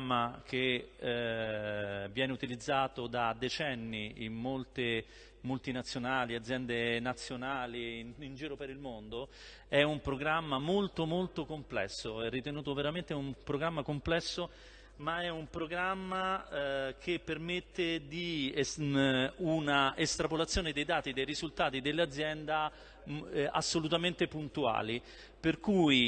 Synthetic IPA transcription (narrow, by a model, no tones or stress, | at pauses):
mːakʰe | vjɛːneut̪ilid̪zːaːt̪od̪ad̪et͡ʃɛnːiḭmmolt̪e | mult̪inat̪sːjonaːliad̪zːjɛnd̪enat̪sːjonaːliind͡ʒiːɾopeɾilmond̪o | ɛumpɾoɡɾamːamolt̪omolt̪okomplɛ̰sːoɛrːit̪enuːt̪oveɾament̪eumpɾoɡɾamːakomplɛsːo | maɛumpɾoɡɾamːa | kʰepːermet̪ːed̪i | unaest̪ɾapolat̪sːjoːned̪ejd̪aːt̪id̪ejɾizult̪aːt̪id̪elːead̪zjɛnd̪a | a̰sːolut̪ament̪epunt̪ua̰ːli | perkuːj